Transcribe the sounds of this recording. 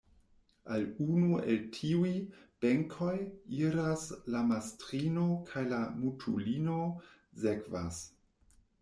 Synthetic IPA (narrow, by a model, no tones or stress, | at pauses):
alunueltʰiuib̥eŋkʰo̞jiɾaslamastɾino̞kʰajlamutʰulinozekva̰s